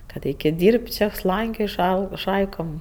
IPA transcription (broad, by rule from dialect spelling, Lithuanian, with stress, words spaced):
kɐt ˈɐɪkʲeːtʲ ˈdʲiːrʲpʲtʲ ˈt͡ʃʲɛ ˈslˠɐŋʲkʲoːj ˈʃɐɪ ˈʃɐɪkoːm